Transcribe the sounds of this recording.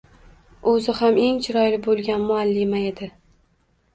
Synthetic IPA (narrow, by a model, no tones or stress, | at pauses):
ɵzɪhame̞ŋt͡ʃʰɪɾɒjlɪbolˠɡʲanmʊalːimae̞d̪ɪ